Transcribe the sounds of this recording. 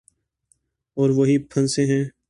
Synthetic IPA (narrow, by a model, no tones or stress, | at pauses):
ɔːɾʋoɦipʰənsẽɦɛ̃ː